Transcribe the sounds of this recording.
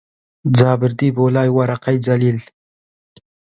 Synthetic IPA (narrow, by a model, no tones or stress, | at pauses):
d͡zɑːbɪɾd̪ibolɑːjwaɾaqajd͡zalil